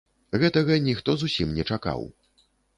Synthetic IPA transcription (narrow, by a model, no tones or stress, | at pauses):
ɣɛt̪ɐɣɐnʲixt̪ɔzusʲimnʲɛt͡ʂaka̰w